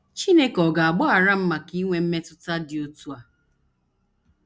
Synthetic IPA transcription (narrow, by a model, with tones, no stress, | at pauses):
t͡ʃi˦ne˦kɔ˨ɡa˨a˨ɡ͡bɔ˦a˨ɾa˦m̩˦ma˨ki˦ŋʷe˦m̩˦me˦tʊ˦ta˦dɪ˨o˦tu˦a˨